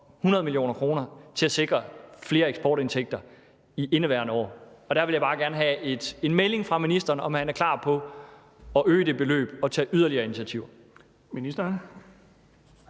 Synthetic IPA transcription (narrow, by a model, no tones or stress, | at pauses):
hunɐðˠmiljo̝̰ːnɐkʰʁo̝ːnɐt͡sʰe̝æse̝ɡ̥ʁɐfle̝ːɐeɡ̥sb̥ɒ̰ːɾe̝nt͡sʰeɡ̥̚d̥ɐ | iʔe̝nəʋæɐ̰nəɒ̰ːɒ̽d̥æɐʋeljaɪbɑ̈ːɡ̥æɐnəɦɛe̝d̥enmele̝ŋfʁɑ̈minisd̥ɐːnɒ̽mhænæɐkʰl̥ɑ̰̈ːpʰɒ̽ | ɒ̽ʔøːd̥e̝b̥e̝lø̰ːb̥ɒ̽t͡sʰɛ̰ːʔyð̞ˠɐliɐːinit͡sʰiæt͡sʰiʊɐ | minisd̥ɐn